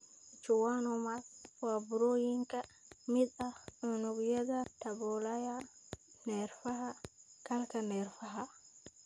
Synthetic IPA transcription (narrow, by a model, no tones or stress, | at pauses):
t͡ʃuwanɔmaswabuɾojiŋkamiɗaɗɔnuɡjɛdatabɔlajanɛɾfahakalkanɛɾfaɦa